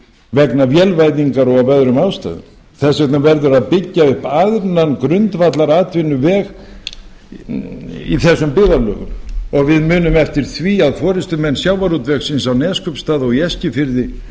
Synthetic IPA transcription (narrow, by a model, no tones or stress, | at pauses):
vɛknavjɛlvajðiŋkaɾɔɣavœðɾʏmawst̪a̰ðɪ̰m | θɛsɛht̪navɛɾðʏɾaðpɪcːaʏhpaðɾnankɾʏnt̪vat̪laɾaːt̪vɪnːʏvɛːɣ | ḭθɛsːʏmpɪðalœ̰ːɣʏ̰mɔɣvɪðmʏːnʏmɛft̪ɪɾ̥θviːaðfɔːɾɪst̪ʏmɛnːsjaːwvaɾut̪vɛxsɪnsawnɛːskœpst̪aːðɔɣiɛscɪfɪɾðɪ